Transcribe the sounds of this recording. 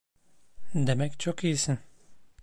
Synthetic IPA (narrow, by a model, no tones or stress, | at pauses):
d̪e̞mɛct͡ʃʰokijisin